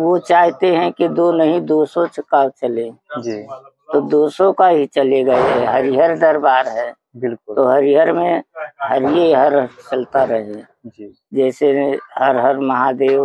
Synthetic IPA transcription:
ʋot͡ʃaːɦt̪eɦɛ̃ked̪onəɦĩd̪oːsõt͡ʃəkaːwt͡ʃəlẽd͡ʒi | t̪od̪oːsõkaɦit͡ʃəleɡɐeɦɛɦəɾiɦəɾd̪əɾbaːɾɦɛː | bɪlkʊt̪oɦəɾiɦəɾmẽɦəɾijeɦəɾt͡ʃəlt̪aɾəɦẽ | d͡ʒi | d͡ʒɛːseɦəɾɦəɾməɦad̪eːʋ

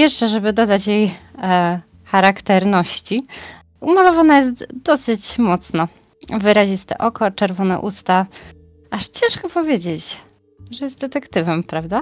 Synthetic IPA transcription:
jɛʂt͡ʂɛʐɛbɘd̪ɔd̪at͡ɕjej | xaɾakt̪ɛɾnɔɕt͡ɕi | umalɔvanajɛs̬t̪d̪ɔsɘt͡ɕmɔt̪snɔ | vɘɾaʑist̪ɛ̰ʔɔkɔt͡ʂɛɾvɔnɛ̰ʔust̪a | aʂt͡ɕɛ̃ʂkɔpɔvʲjed͡ʑet͡ɕ | ʐɛjɛst̪̚d̪ɛt̪ɛkt̪ɘvɛmpɾavd̪a

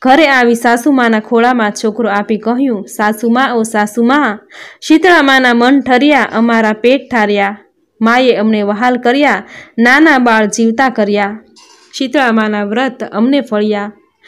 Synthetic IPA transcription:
ɡʱəɾeaʋisasumãnakʰoɭamãt͡ʃʰokɾoapikəɦjũsasumãosasumãʃit̪ɭamãnamənʈʰəɾjaʔəmaɾapeʈ̚ʈʰaɾja | majeəmneʋəɦalkəɾjananabaɭd͡ʒiʋt̪akəɾja | ʃit̪ɭamãnaʋɾət̪ə̰mnefəɭja

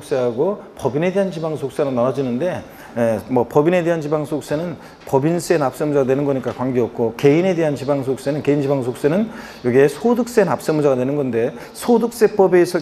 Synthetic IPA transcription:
k̚s͈e̞ɦaɡopʌbine̞de̞ɦant͡ɕibaŋsʰok̚s͈eɾɯnanʌd͡ʑinɯnde̞ | jemʌpʌbine̞de̞ɦant͡ɕibaŋsʰok̚s͈enɯn | pʌbins͈ʰenap̚s͈emud͡ʑaɡadwe̞nɯnɡʌɲik͈akwaŋɡeʌp̚k͈oke̞ine̞de̞ɦant͡ɕibaŋs̬ʰok̚s͈enɯnke̞ind͡ʑibaŋsʰok̚s͈enɯn | jʌɡiesʰodɯk̚s͈enap̚s͈emud͡ʑaɡadwe̞nɯnɡʌnde̞ | sʰodɯk̚s͈e̞p͈ʌbeːsʰʌ

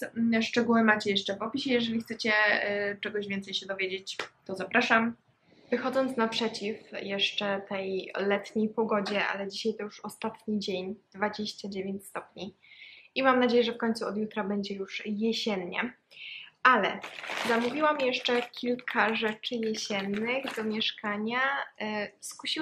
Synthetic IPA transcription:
ʂt͡ʂɛɡuwɘmat͡ɕɛjɛʂt͡ʂɛpɔpʲiɕɛjɛʐɛlʲixt̪sɛt͡ɕɛt͡ʂɛɡɔʑvʲjɛnt̪sɛjɕɛd̪ɔvʲjed͡ʑet͡ɕt̪ɔzapɾaʂam | vɘxɔd̪zɔnt̪snapʂɛt͡ɕifjɛʂt͡ʂɛt̪ɛjlɛt̪ɲejpɔɡɔd͡ʑɛa̰lɛd͡ʑiɕajt̪ɔjuʂɔst̪at̪ɲid͡ʑeɲd̪̥vad͡ʑeɕt͡ɕad͡ʑevʲjeɲt͡ɕst̪ɔpɲi | imamnad͡ʑejɛʐɛfkɔɲt̪suɔd̪jut̪ɾabɛɲd͡ʑɛjuʂjɛɕɛnɲɛ̰ | alɛ̰zamuvʲiwamjɛʂt͡ʂɛkʲʰilkʰaʐɛt͡ʂɘjɛɕɛnːɘɣd̪ɔmʲjɛʂkaɲa | skuɕi

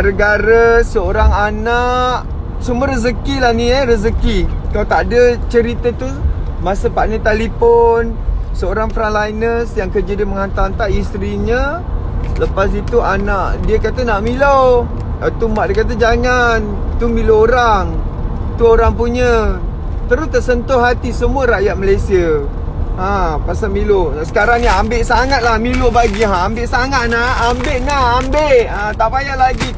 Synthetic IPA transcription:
ɾəɡaɾəsəoɾaŋanaʔ | sumuəɾəzəkilaniəɾəzəkikaat̪aʔdət͡ʃəɾit̪at̪u | masəpaʔnət̪aliponsəoɾaŋfɾanlajnəsjaŋkəd͡ʒədəməŋant̪aant̪aʔist̪ɾiɲə | sələpas̬it̪uanaʔdiəkat̪ənaʔmilow | at̪umaʔdekat̪̬ad͡ʒaŋan | t̪umilooɾaŋ | t̪uoɾaŋp̬uɲə | t̪əɾʊst̪əsənt̪ʊhɦat̪isəmuəɾajat̪̚məlajsiə | apasamiloasə̥kaɾaŋjaambɪʔsaŋat̪̚lahmilʊʔbaɡiɦãːmbɪʔsaŋat̪̚naːmbeʔnaambeʔat̪aʔpajaʔlaɡi

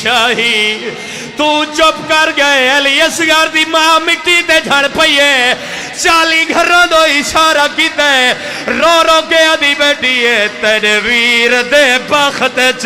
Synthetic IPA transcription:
aːɦiː | t̪ũːt͡ʃopkəɾɡəeeːliəsɡaːɾd̪iːmaːamɪkːiːt̪eːd͡ʒʱaːɽ̃pəiːeː | t͡ʃaːliːɡʱəɾãːd̪oːɪʃaːɾakiːt̪ee | ɾoːɾoːkeːaːd̪iːbeːʈiːeːt̪eːneʋiːɾd̪eːpakʰt̪eːt͡ʃ

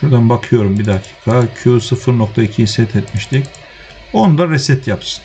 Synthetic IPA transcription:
ʃuɾd̪anbakʰɯjo̞ɾumbid̪acʰi̥ːkʰacʰysɯfɯɾno̞k̚t̪ʰaicʰihisɛt̪ʰɛt̪miʃt̪ʰic | o̞nud̪aɾɛsɛt̪japsɯ̥n

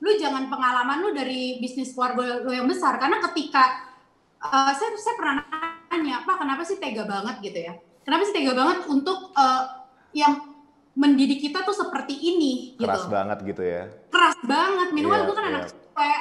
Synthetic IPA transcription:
lʊd͡ʒaŋanpəŋalamanlʊdaɾibisnɪskwarɡolojaŋbəsarkaɾənakət̪ika | ʔəsajsajapərnannɲapakənapasiht̪eɡabaŋət̪̚ɡit̪uja | kənapasit̪eɡabaŋət̪unt̪ʊk̚əː | jaŋ | məndidikːit̪at̪usəpərt̪iʔːnɪɡitausba̰ŋə̰t̪̚ɡit̪uja̰k̪əɾasbaŋət̪̚minuat̪it̪ukananaksaja

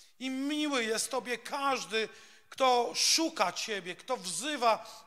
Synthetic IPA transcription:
imʲiwɘjɛst̪ːɔbʲjɛkʰaʐd̪ɘ | kt̪ɔʂukat͡ɕebʲjɛkt̪ɔvzɘva

